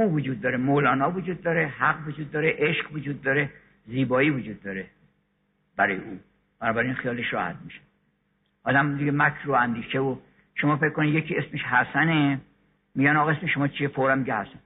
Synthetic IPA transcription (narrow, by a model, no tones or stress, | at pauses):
uːvod͡ʒuːd̪̚ːɒːɾemolɒːnɒːvod͡ʒuːd̪̚ːɒːɾehæɡvod͡ʒuːd̪ːɒːɾeʔeʃɢvod͡ʒuːd̪ːɒːɾe | ziːbɒːiːvod͡ʒuːd̪ːɒːɾe | b̥æɾɒːjeuː | b̥ænɒːbæɾinxijɒːleʃɾɒ̰ːhæ̰t̪̚miʃe̥ | ʔɒːd̪æmd̪iɡemækʰɾuænd̪iːʃevo | ʃomɒːfe̞kʰkːonid̪jekʰiːe̞smeʃhæsæne | miɟænɒɣɒesmeʃomɒːt͡ʃʰiefoɾæmːiɡehæsæn